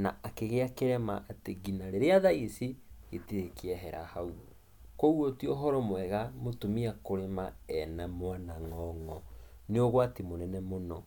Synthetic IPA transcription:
naakeɣeakeɾɛmaʔateɡinaɾeɾeaðaisieteekeɛɦɛɾa̰hau | kowotiɔɦɔɾɔmwɛɣamotomiakoɾemaɛnamwanaŋɔŋɔ | neoɣwatemonɛnɛmonɔ

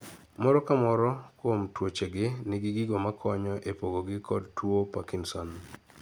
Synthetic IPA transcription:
mɔɾɔkamɔɾɔkwomtwot͡ʃeɡɪnɪɡɪɡɪɡomakʰɔɲɔʔepoɡoɡɪkʰɔdtwopakinsɔn

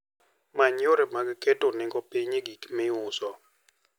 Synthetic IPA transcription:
maɲoɾɛmaɡketonɪŋɡɔpiɲiɡikmɪʊsɔ

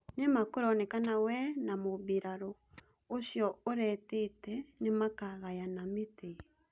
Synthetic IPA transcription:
nemakoɾɔnɛkanawɛnamoβiɾaɾo | oɕjɔoɾɛtetɛnemakaɣajanamete

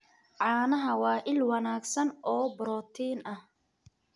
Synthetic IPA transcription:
ʕɑːnɐɦɐwɑːʔɪlwɑnaːɡsɐnʔɔːbʊɾɔːt̪ʰiːnɐh

